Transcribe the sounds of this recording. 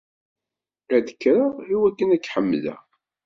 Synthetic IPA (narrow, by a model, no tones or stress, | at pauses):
æðəkːɾəʁiwækːənækːħəmːlæ̰